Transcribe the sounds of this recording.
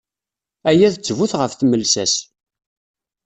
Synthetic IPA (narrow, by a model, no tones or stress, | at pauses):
æjæðt͡sːvuθʁəfθməlsæs